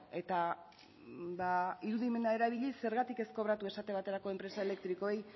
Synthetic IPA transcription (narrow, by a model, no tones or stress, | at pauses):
e̞t̪a | baiɾuðime̞nae̞ɾaβiʎisːe̞ɾɣat̪ike̞sko̞β̞ɾat̪ue̞sat̪e̞β̞at̪e̞ɾako̞e̞mpɾe̞sae̞le̞k̚t̪ɾiko̞ej